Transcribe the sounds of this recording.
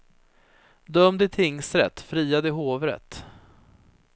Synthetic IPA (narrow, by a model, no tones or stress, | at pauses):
d̪œmd̪ɪt̪ʰɪŋsɾɛ̰t̪ːfɾiːad̪əɪɦoːvɾə̰t̪